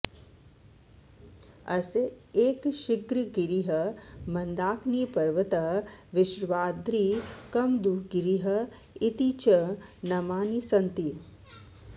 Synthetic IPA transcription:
ɐ̰seeːkʃiɡɾiɡiɾiɦɐmɐnd̪aːkniːpɐɾʋɐt̪ɐɦʋɪʃɾʋaːd̪ɾiːkɐmd̪uɡiɾiɦɐ | it̪it͡ʃənɐmaːnisɐnt̪i

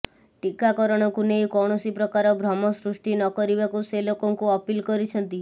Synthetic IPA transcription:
ʈikakɔɾɔɽ̃ɔkunejkɔɽ̃ɔsipɾɔkaɾɔbʱɾɔmɔsɾusʈinɔkɔɾibakuselokɔŋkuɔpilkɔɾit͡ʃʰɔnt̪i

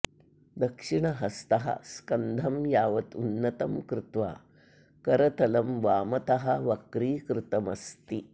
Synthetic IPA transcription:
d̪ɐkʂiɳɐɦɐst̪ɐɦɐ̰skɐnd̪ʱɐmjaːʋɐt̪unːɐt̪ɐmkɾɪt̪ʋa̰ː | kɐɾɐt̪ɐlɐmʋaːmɐt̪ɐɦɐʋɐkɾiːkɾɪt̪ɐmɐst̪i

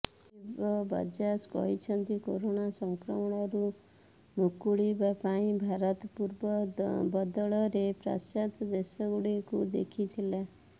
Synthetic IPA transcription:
ibɔbɔ̰d͡ʒasɡɔ̰ɦit͡ʃʰɔnt̪ikoɾonasɔŋkɾɔmɔɽ̃ɔɾu | mukuɭibapaĩbʱaɾɔt̪puɾbɔbɔd̪ɔɭɔɾepɾa̰sat̪d̪esɔɡuɽekud̪ḛkʰit̪ʰila

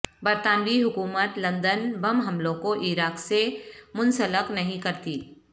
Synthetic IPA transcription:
bɐɾt̪aːnʋiɦʊkuːmət̪lɐ̃nd̪ənbɐmɦɐmlõkoʔiɾaːksemʊ̃nsələknɐɦĩkɐɾt̪iː

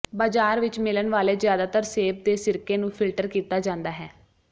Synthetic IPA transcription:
baːd͡ʒaːɾʋɪt͡ʃmɪlənʋaːleːzjaːd̪aːt̪əɾseːb̚d̪eːsɪɾkeːnũːpʰɪlʈəɾkiːt̪aːd͡ʒãːnd̪aːɦɛː

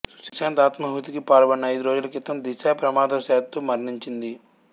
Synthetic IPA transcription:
su̥sɐ̥kʂeːnt̪aːt̪mɐɦut̪ikipaːlɐbɐɳːɐɐjd̪uɾo̞ːd͡ʒulɐkit̪ːɐmd̪iʃaːpɾɐmaːd̪ɐsɛːt̪ːumɐɾɳiɲt͡ʃind̪i

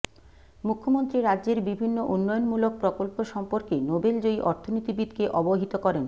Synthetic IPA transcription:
mukʰːomont̪ɾiɾadːʑeɾbibʱinːoʔunːɔjonmulok̚pɾokolpoʃɔmpoɾkenobeld͡ʑojʔɔɾt̪ʰonit̪ibid̪keʔɔboɦit̪okɔɾen

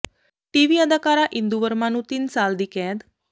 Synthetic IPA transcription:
ʈiʋiəd̪akaɾaʔind̪uʋəɾmãnũt̪iːnsald̪ikɛ̃d̪

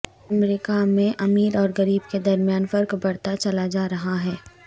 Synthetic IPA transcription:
ɐmɾiːkamẽʔɐmiːɾɔːɾɡɐɾiːbked̪ɐɾmijaːnfɐɾkbɐɽt̪at͡ʃɐlad͡ʒaːɾɐɦaɦɛː

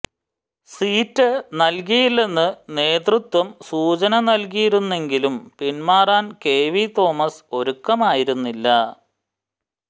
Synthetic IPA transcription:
siːtːɨnɐlk̬ijilːe̞nːɨne̞ːt̪rut̪wɐmsuːt͡ɕɐnɐnɐlk̬ijiɾunːe̞ŋɡilumpinmaːraːnke̞ːʋit̪o̞ːmɐso̞ɾukːɐmaːjiɾunːilːɐ

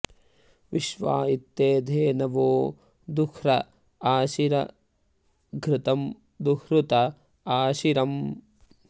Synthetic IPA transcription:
ʋiʃʋa̰ːit̪ːeːd̪ʱeːnɐʋoː | d̪ukʰɾɐ | aːʃiɾɐ̰ | ɡʱɾɪt̪ɐm | d̪ukɾut̪ɐ | aːʃiɾɐm

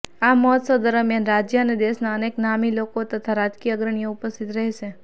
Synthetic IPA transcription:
amɔɦət̪səwd̪əɾəmjanɾad͡ʒjəəned̪eʃnaəneknamilokot̪ət̪ʰaɾad͡ʒkiəɡɾəɳ̃ijoupəst̪ʰit̪ɾəɦeʃe

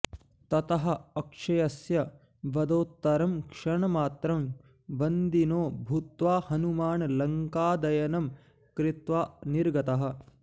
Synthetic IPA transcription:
t̪ɐt̪ɐɦɐ̆ɐkʂɐjɐsjɐ | ʋɐd̪oːt̪ːɐɾɐmkʂɐɳɐmaːt̪ɾɐm | ʋɐnd̪inoːbʱut̪ʋaːhɐnumaːɳlɐŋkaːd̪ɐjɐnɐm | kɾit̪ʋaːniɾɡɐt̪ɐɦɐ̆

